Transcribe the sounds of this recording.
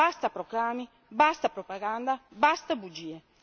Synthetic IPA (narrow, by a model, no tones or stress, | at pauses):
ast̪apɾɔklaːmi | bast̪apɾɔpaɡand̪abast̪abud͡ʒiːe